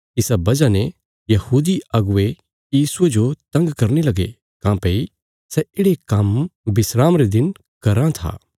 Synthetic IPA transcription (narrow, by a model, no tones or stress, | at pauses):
ɪsabɐd͡ʒane | jɐhuːd̪iɐɡʊe | jiːsued͡ʒot̪ɐ̃ŋɡkɐɾnilɐɡḛ | kãːpei | sɛɪɽekɐmbɪsɾaːmɾed̪ɪn | kɐɾãt̪ʰa̰ː